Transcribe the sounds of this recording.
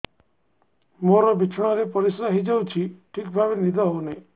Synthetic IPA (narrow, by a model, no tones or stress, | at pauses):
moɾɔbit͡ʃʰɔɽ̃ɔɾepɔɾisɾaɦid͡ʒawt͡ʃʰiʈʰikbʱabenid̪ʱɔɦowne